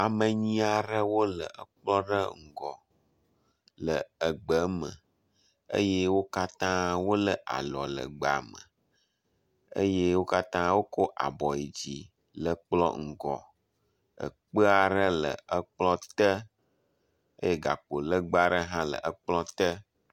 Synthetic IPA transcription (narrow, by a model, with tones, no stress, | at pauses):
a˨mə˨ɲĩ˦a˨ɖə˦wo˦lə̰˨ə˨k͡plɔ˦ɖə˦ŋ̩˨ɡɔ˨ | lə˨ə˨ɡ͡bə˨˦mə̰˨ | ə̰˦je˦wo˦ka˦t̪ã˦wo˦lə˨ʔa̰˨lɔ̰˨lə̰˨ɡ͡ba̰˨mə̰̃˨ | ə̰˦je˦wo˦ka˦t̪ã˦wo˦ko˦ʔa̰˨bɔ˨i˨d͡ʑi˨ | lə˨k͡plɔ̰˦ŋ̩˨ɡɔ˨ | ə̰˨k͡pə˦a˨ɖə˦lə̰˨ə˦k͡plɔ˦t̪ə˦ | ə̰˦je˦ɡa̰˨k͡po˨lə˦ɡ͡ba˨ɖə˦ɦã˦lə̰˨ʔə˨k͡plɔ˦t̪ə˦